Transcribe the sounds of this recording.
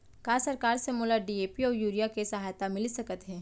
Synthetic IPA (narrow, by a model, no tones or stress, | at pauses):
kaːsɐɾkaːɾsemoːlaɖieːpiɔːɾjuːɾijakesɐɦaːjt̪amɪlisɐkət̪ɦɛ̃ː